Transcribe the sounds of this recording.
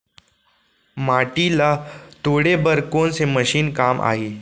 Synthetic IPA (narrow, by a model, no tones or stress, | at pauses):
maːʈilat̪oːɽebəɾkoːnseməʃiːnkaːmʔa̰ːɦiː